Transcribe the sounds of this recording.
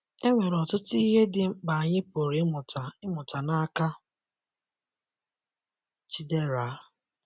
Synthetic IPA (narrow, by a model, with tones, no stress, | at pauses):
e˦ŋʷe˨ɾɔ˨tʊ˦tʊ˦i˦ɦe˦dɪ˨m̩˦ɡ͡ba˨a˨ɲɪ˦po˨ɾi˨˦mʊ˨ta˨ɪ˦mʊ˨ta˨na˦ka˦ | t͡ʃi˦de˦ɾa˨˦